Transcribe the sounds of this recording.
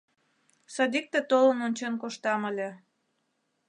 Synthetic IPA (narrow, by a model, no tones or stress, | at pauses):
sɑd̪ik̚t̪et̪olənonʲt͡ɕenkoʃt̪ɑməlʲe